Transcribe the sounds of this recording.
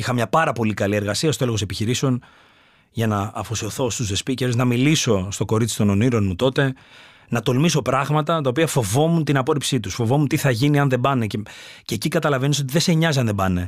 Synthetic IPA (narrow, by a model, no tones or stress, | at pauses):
ixɐmɲɐpɐɾɐpo̞likɐlie̞ɾɣɐsiɐst̪oelɣose̞piçiɾiseo̞n | ʝɐnɐːfosioθo̞st̪uzðe̞spiceɾznɐmiliso̞st̪o̞ko̞ɾit͡si̥t̪o̞no̞niɾo̞nmut̪o̞t̪e̞ | nɐt̪o̞lmiso̞pɾɐɣmɐt̪ɐt̪ɐo̞piɐfo̞vo̞munt̪inɐpo̞ɾipsit̪usfo̞vo̞munt̪iθɐʝiniɐnðe̞bɐnececeːcikɐt̪ɐlɐvenis̬ot̪iðe̞se̞ɲɐziɐnðebɐne̞